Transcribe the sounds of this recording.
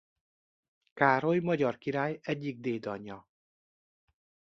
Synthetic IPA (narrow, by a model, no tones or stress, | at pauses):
kaːɾo̞jmɒɟɒrkiɾaːjɛɟːiɡ̚d̪eːd̪ɒɲːɒ